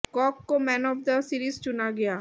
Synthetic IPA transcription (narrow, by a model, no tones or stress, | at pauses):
kɔːkːomɛːnɔːfd̪əsiɾiːzt͡ʃʊnaɡɐjaː